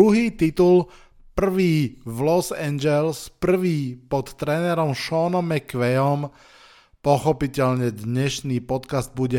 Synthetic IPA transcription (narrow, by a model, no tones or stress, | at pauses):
uɦiːt̪it̪ul | pr̩ʋiːʋlɔsɛɲd͡ʒɛlspr̩ʋiːpɔt̪ːɾɛːnɛɾɔmʃɔnɔmɛkʋɛjɔm | pɔxɔpicɛʎɲɛd̪ɲɛʃniːpɔt̪kazd̪̚buɟɛ